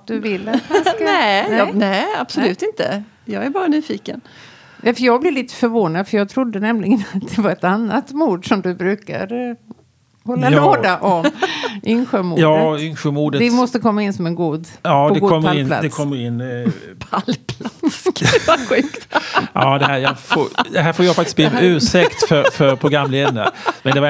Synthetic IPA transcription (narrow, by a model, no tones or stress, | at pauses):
d̪ɵvɪlːat̪anskanɛnɛab̥sɔlʉ̟ːt̪ɪnt̪ə̰ | jɑːɡæɾbɑːɾanyːfiːkə̰n | nɛfœjɑːɡblɪɾɭiːt̪ə̥fœɾvoːnad̪fœɾjɑːɡ̚t̪ʰɾʊd̪ːənɛmlɪɡənat̪̚d̪ɛvaɾɛt̪anːat̪muːɖʂɔmd̪ɵbɾʉ̟ːka̰ɾə | hɔlːaloːd̪aʔɔmʔʏŋɧəmuːɑːʏŋɧəmuːdəd̪ɛmɔst̪əkʰɔmːaɪnːsɔmɛnɡuːd̪ɑːɔɡ̪ɛkuːɔmːəɾɪnla̰d̪ɛkʰɔmːəɾɪnːpʰalpʰlat̪sɧʉ̟ːkt̪ʔɑːd̪ɛhæːjɑfo̰d̪ɛɦæːɾfoːɾjafak̚t̪ɪsbliːmɛʉ̟ːsɛkt̪fœɾfœɾpʰɾʊɡɾamːleːd̪a̰mɛnd̪ɛ